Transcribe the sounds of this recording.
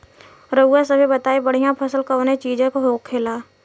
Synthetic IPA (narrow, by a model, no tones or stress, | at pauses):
ɾəuasəbʱebət̪aːebəɽ̤ijãpʰɐsəlkəːnet͡ʃiːd͡ʒẽkoɦoːk̚kʰeːlaː